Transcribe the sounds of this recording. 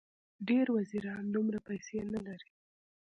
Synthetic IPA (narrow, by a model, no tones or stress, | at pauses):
ɖeɾwaziɾɑnd̪umɾapajsenalaɾi